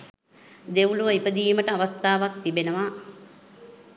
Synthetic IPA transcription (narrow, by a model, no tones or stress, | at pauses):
d̪euluʋəipəd̪iːməʈəaʋast̪aːʋak̚t̪ibenəʋa